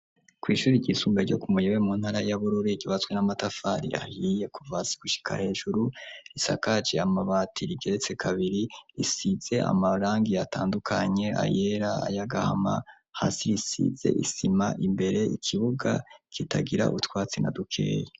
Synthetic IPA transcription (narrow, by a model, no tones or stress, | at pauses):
kwiːʃuːɾiɟiːsumbeɾɟo̰kumujewemuːn̥haɾajaβuɾuɾiɟoβat͡swenamatafaɾḭa̰hije̞kuvasi̥ɡ̥uʃi̥kʰa̰he̞ːʒuɾuɾisa̰kat͡ʃeamaβatʰiɾiɡe̞ɾe̞t͡se̞kʰaβiɾiɾisiz̥e̞ʔa̰maɾaːŋɡiataːndukʰaɲe̞a̰je̞ɾaa̰jaɡahama̰ | ha̰siɾisḭze̞̰ʔisimaʔimbe̞ɾe̞ikʰiβuɡa̰kʰita̰ɡiɾa̰ʔutwaːt͡sena̰dukʰe̞̰ːje